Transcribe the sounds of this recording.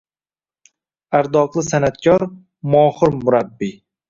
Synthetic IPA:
aɾd̪ɒqlˠɪsanat̪̚kʲʰɒɾ | mɒːχɨɾmʊɾabːi

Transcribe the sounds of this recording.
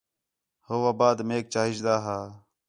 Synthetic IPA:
hoːwaːbaːd̪meːk̚t͡ʃaːɦid͡ʒd̪aːɦaː

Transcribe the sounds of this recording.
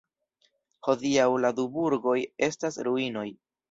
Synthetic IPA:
ho̞diawladubuɾɡo̞je̞stasɾuino̞j

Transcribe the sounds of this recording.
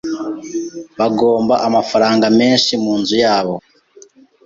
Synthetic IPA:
βaɡo̞ːmbaʔamafaɾaːŋɡame̞ːnʃimuːnzujaːβo̞

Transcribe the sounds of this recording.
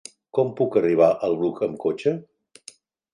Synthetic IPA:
kɔmpukəriβ̞aʔəlˠβɾukʰəmkot͡ʃə

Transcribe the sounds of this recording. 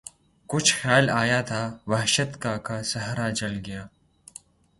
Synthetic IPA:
kʊt͡ʃʰxjaːlaːjat̪ʰaʋɐɦʃət̪kakasɐɦɾad͡ʒɐlɡɐjaː

